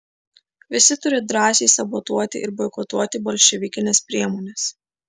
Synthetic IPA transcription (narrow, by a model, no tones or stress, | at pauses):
ʋʲɪsʲɪt̪ʊɾʲɪd̪ɾɑːsʲeːsɐbɔt̪uɔt̪ʲɪ̰ʔɪɾbɔɪkɔt̪uɔt̪ʲɪbɔlʲʃʲɛʋʲɪkʲɪnʲɛspʲɾʲiɛmɔːnʲɛs